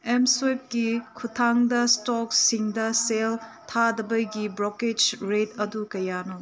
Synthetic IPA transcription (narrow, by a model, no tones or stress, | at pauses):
emsojp̚ɡikʰutʰaŋdɐstɔk̚siŋdɐseltʰadɐbɐjɡibɾoked͡ʒɾetɐdukɐjano